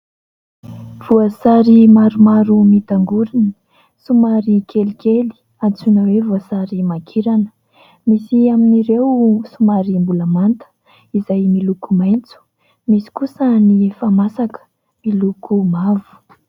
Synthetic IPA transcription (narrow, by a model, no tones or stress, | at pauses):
v̥uasaɾimaɾumaɾumit̪aŋɡuɾini̥ | sumaɾikʰelikʰeli̥ | at͡sunəwevuasaɾimakʰiɾanə̥ | misiaminiɾewsumaɾimbuləmant̪ə̥ | izajmilukumajnt͡su̥ | misi̥kusənifamasakə̥ | milukʰumavu̥